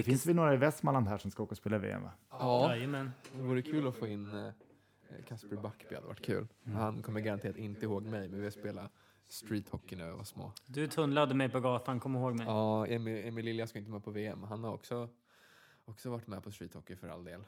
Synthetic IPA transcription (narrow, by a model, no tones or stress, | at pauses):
d̪ɛfɪnsvɪlnoːɾaɪvɛst̪malanhæːʂɔmskaoːkaɔspeːlavḛːɛ̰ma̰ɑːjəmɛnd̪ɛvuːɾəkʰʉ̟ːlɔfoːɪnː | kʰaspəbakːbɪhad̪ə̰va̰ʈ̚ːkʰʉ̟̰ːlhankʰɔmːəɾɡaɾant̪eːɾat̪ɪnt̪əɪhoːɡmɛjmɛnvɪjaspeːla | st̪ɾiːt̪hɔkːɪnʉva̰smo̰ːd̪ɵt̪ʰɵnlad̪əmɛjpɔɡɑːt̪ankʰɔmːɪɾɪhoːɡmɛɑːɛmɪɛmːɪlɪljaskaɪnt̪əmɛːpʰɔveːɛmɦanhaɾɔ̰ksɔ | ɔksɔvaʈːmɛpʰɔst̪ɾiːt̪hɔkːɪfœɾa̰ld̪eːl